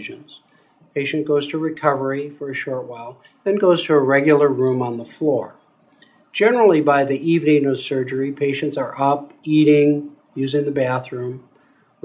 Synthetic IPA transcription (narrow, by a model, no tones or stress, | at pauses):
ʒɨ̃nz̥ | pʰeɪʃɨ̃nɡ̥oʊz̥tʰɨɹɨkʰʌvə˞ifə˞ɨʃɔɹt̚waɪlˠ | ðɨ̃nɡoʊz̥tʰɨːɹɛɡjl̩ˠə˞ɹũmə̃nðəflɔɹ | d̥ʒd͡ʒ̥ɛnə˞l̩ˠibaɪðiʔivnɪ̃ŋʌ̥sɜ˞d͡ʒə˞ipʰeɪʃɨ̃ntsə˞ʔʌp̚iɾɪ̃ŋ | jʉzɪ̃ŋðɨbæθɹʉ̃m